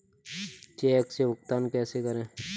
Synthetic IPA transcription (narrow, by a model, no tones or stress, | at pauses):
t͡ʃeːksebʊkt̪aːnkɛːsekəɾẽː